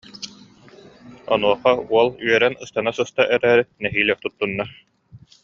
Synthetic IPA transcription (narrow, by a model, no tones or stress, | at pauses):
ɔ̰nuɔχauɔlˠyœɾɛnɯst̪anasɯst̪aʔɛɾæːɾit̪̚nɛɦiːlʲɛt̪ut̪ːunːa